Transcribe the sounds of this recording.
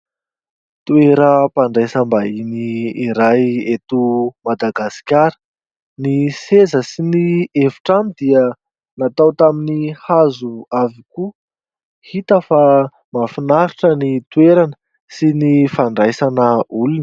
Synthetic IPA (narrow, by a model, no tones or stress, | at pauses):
t̪ueɾəpaɳɖ͡ʐajsəmbainiːɾajet̪umad̪aɡasi̥kʲaɾə̥ | nisezəsinievu̥ʈ͡ʂamid̪iə | nat̪awt̪aminihazuaviku | hit̪əfa | mafinaɾiʈ͡ʂənit̪ueɾanə | sinifaɳɖ͡ʐajsanəulun